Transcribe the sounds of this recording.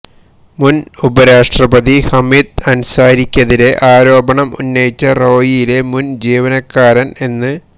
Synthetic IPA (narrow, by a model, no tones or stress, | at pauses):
munubɐɾaːʂʈrɐbɐðihɐmiːd̪̚ɐnsaːɾikʲːɐðiɾe̞ʔaːɾo̞ːbɐɳɐmṵnːɐjit͡ɕːɐro̞ːjijile̞mund͡ʑiːʋɐnɐkːaːɾɐne̞nːɨ